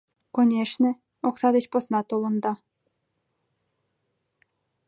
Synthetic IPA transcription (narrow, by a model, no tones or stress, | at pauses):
konʲeʃnĕ | oksɑd̪et͡ɕposnɑt̪olˠɤ̆nd̪ɑ